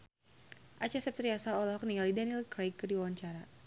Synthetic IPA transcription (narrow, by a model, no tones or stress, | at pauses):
ʔat͡ʃasɛp̚t̪ɾiasaɔlɔɦɔk̚niŋɡalidanilkɾejkːərdiwawaɲt͡ʃaɾa